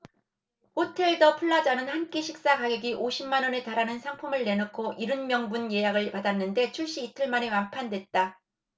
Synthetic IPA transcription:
hotʰe̞ɭdʌpʰuɭːad͡ʑanɯnhank͈eɕʰik̚s͈akaɡeɡiʔoɕʰimːanʌne̞taɾanɯnsʰaŋpʰumɯɭːe̞nɯkʰoʔiɾɯnmjʌŋbunje̞jaɡɯɭpadanːɯnde̞t͡ɕʰuɭɕ͈iːtʰɯɭmane̞mampʰandwe̞t̚t͈a

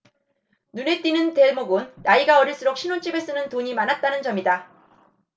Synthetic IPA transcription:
nune̞t͈inɯnte̞moɡonːaiɡaʌɾiɭs͈ɯɾok̚ɕʰinont͡ɕ͈ibe̞s͈ɯnɯntoɲimanɦat̚t͈anɯnd͡ʑʌmida

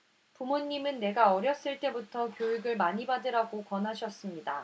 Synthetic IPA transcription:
pumoɲːimɯnːe̞ɡaʌɾjʌs͈ɯɭt͈e̞butʰʌkjojiɡɯɭmaɲibadɯɾaɡokʌnɦaɕʰʌs͈ɯmɲida̰

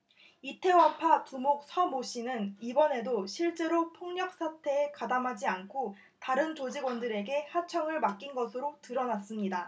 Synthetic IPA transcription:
itʰe̞wapʰatumok̚sʰʌmoɕ͈ʰinɯnibʌne̞doɕʰiɭt͡ɕ͈e̞ɾopʰoŋɲʌk̚s͈ʰatʰe̞ekadamɦad͡ʑiankʰo | taɾɯnt͡ɕod͡ʑiɡwʌndɯɾe̞ɡe̞hat͡ɕʰʌŋɯɭmak͈inɡʌsʰɯɾotɯɾʌnas͈ɯmɲida

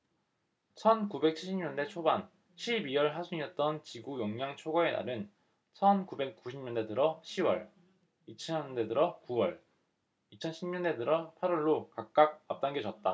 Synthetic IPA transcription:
t͡ɕʰʌnkube̞k̚t͡ɕʰiɭɕʰimɲʌnde̞t͡ɕʰoban | ɕʰibiwʌɭɦasʰuɲiʌt̚t͈ʌnt͡ɕiɡujʌŋɲaŋt͡ɕʰoɡae̞na̰ɾɯn | t͡ɕʰʌnkube̞k̚k͈uɕʰimɲʌnde̞dɯɾʌɕʰiwʌɭ | it͡ɕʰʌʌnde̞dɯɾʌkuwʌɭ | it͡ɕʰʌnɕʰimɲʌnde̞dɯɾʌpʰaɾwʌɭːokak̚k͈ak̚ap̚t͈aŋɡed͡ʑʌt̚t͈a

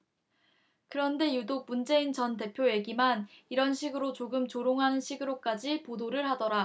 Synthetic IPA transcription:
kɯɾʌnde̞judok̚mund͡ʑe̞int͡ɕʌnt̬e̞pʰjoje̞ɡimaniɾʌnɕʰiɡɯɾot͡ɕoɡɯmt͡ɕoɾoŋɦanɯnɕʰiɡɯɾok͈ad͡ʑipodoɾɯɭɦadʌɾa

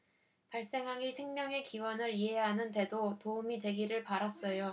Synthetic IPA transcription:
paɭs͈e̞ŋɦaɡisʰe̞ŋmjʌŋe̞kiwʌnɯɾiɦe̞jaɦanɯnde̞dotoumitwe̞ɡiɾɯɭpaɾas͈ʌjo

